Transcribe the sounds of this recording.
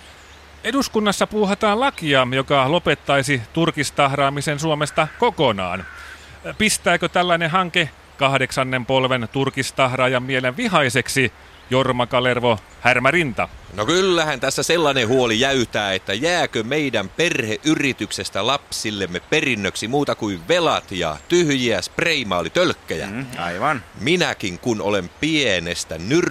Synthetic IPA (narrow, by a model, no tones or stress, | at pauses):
eduskunːɑsːɑpuːɦɑt̪ɑːlɑkiɑjo̞kɑlo̞pe̞t̪ːɑjsit̪urkist̪ɑhrɑːmisensuomest̪ɑkokonɑ̰ːn | pist̪æːkøt̪ælːæjneɦɑŋke | kɑhdeksɑnːempo̞lʋent̪urkist̪ɑhrɑːjɑmːieleʋʋiɦɑiseksi | jormɑkɑlerʋo | hærmærint̪ɑnokylːæhænt̪æsːæselːɑnehuolijæyt̪æːet̪ːæjæːkømeidæmperheʔyrit̪yksest̪ælɑpsilːemːeperinːøksimuːt̪ɑkuiʋʋelɑt̪jɑ̰t̪yhjiæspreimɑːlit̪ølkːæjæ̰ɑ̰iʋɑnminækiŋkuno̰lempienest̪ænyr